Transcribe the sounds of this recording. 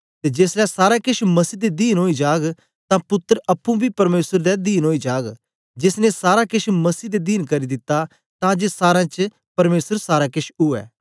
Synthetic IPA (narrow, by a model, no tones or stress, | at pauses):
t̪ed͡ʒeːslɛsaːɾakɪʃmɐsiːd̪ed̪iːnɦoːid͡ʒaːɡ | t̪ãpʊt̪ːəɾɐpːũbʱipɐɾmeːsəɾd̪ɛd̪iːnɦoːid͡ʒaːɡ | d͡ʒɪsnesaːɾakɪʃʰmɐsiːd̪ed̪iːnkɐɾid̪ɪt̪ːa | t̪ãd͡ʒesaːɾãt͡ʃ | pɐɾmeːsəɾsaːɾakɪʃʰʊɛ̰ː